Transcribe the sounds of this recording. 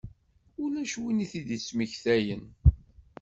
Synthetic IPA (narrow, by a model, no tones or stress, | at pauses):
ʊlæʃwiniθid̪isməçθæjən